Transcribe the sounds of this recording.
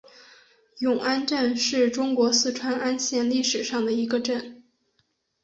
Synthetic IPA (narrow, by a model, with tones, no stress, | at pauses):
jʊ˨˩ŋʔa˥nʈ͡ʂə˥˧nʂɻ̩˥˩ʈ͡ʂʊ˥ŋkwɔ˧˥sɹ̩˥˩ʈ͡ʂʰwa˥na˥nɕjɛ˥˧nli˥˩ʂɻ̩˨˩ʂɑ˥˩ŋd̪ə˩i˧˥ɡə˧ʈ͡ʂə˥˩n